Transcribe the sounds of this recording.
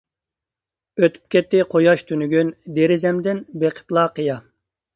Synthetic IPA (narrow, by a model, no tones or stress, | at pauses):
øt̪ʰy̥p̚kʲɛt̪ːɪqʰojɑʃt̪ʰynyɡʲynd̪eɾɪzɛmd̪ɪnbeqʰə̥plˠɑːqʰəjɑ